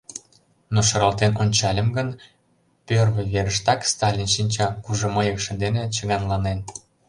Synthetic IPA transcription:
noʃɤ̆ɾɑlˠt̪enonʲt͡ɕɑlʲə̆mɡən | pørβə̆βeɾəʃt̪ɑkst̪ɑlʲinʃinʲt͡ɕɑkuʒŏməjəkʃə̆nd̪enet͡ɕəɣɑnlɑnen

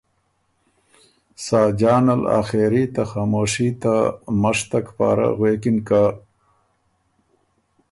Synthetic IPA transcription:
saːd͡ʒaːnala̰xeɾit̪axaːmoːʂit̪amaʂt̪akpa̰ːɾa̰ɣwekinka

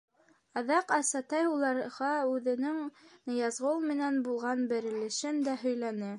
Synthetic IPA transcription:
ɑðɑqɑsɑt̪ɑjulˠɑɾʁɑʉðɘ̆nɘŋnɤ̆jɑzʁolˠmɘ̆nænbulˠʁɑnbɘ̆ɾɘ̆lɘ̆ʃɘnd̪æɦɵ̆jlænɘ

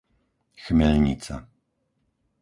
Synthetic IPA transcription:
xmɛʎɲḭt͡sa̰

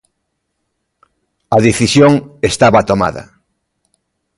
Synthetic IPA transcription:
ɐðeθisjoŋest̪aβat̪oma̰ðɐ̰

